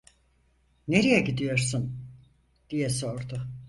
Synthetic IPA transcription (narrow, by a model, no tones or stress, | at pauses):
neɾijɛɟid̪ijo̞ɾsun | d̪̥ijɛso̞ɾd̪ʊ